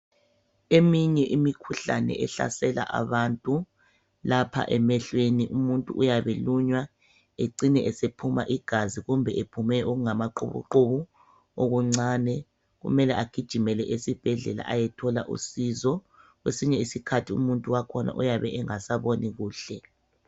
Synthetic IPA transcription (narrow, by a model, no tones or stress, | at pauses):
emiɲɛʔimikʰuɬa̰nɛ̰ʔɛɬa̰sɛla̰ʔa̰βantʼu | lapʰa̰ʔɛmɛɬweniʔumuntʼuʔːjaβeluɲwa | eǀinɛʔɛsepʰuma̰ʔiɡ̥ʱaziɣumbʱɛʔepʰumɛʔoɣuŋamaǃṵβṵǃoβu | oɣuŋ͡ǀaːnɛ | ɣṵmɛlɛʔaɡ̥ʱid̥ʒ̥ʱimɛlɛʔesib̥ʱɛɮɛla̰ʔajɛtʰɔla̰ʔṵsizɔ | ɣwḛsiɲɛisikʰatʰiṵmuntʼuwakʰɔnʔa̰ʔujaβɛʔɛŋasaβoniɣuːɬɛ